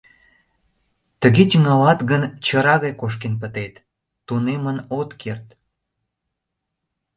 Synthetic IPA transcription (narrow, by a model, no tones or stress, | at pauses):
t̪əɣet͡ɕəŋɑlɑt̪ɣənt͡ɕəɾɑɣɑjkoʃ̬kenp̬ət̪et̪ː | unemənot̪kʰert̪